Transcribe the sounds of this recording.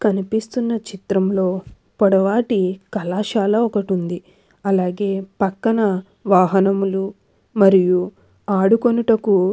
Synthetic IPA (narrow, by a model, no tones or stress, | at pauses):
kɐnipist̪unːɐt͡ʃit̪ɾɐmlo̞ː | pɔɽɐʋaːʈikɐlaːʃaːlɐɔkɐʈund̪i | ɐlaːɡe̞ːpɐkːɐnɐ | ʋaːɦɐnɐmlu | mɐɾiju | aːɽukonuʈɐku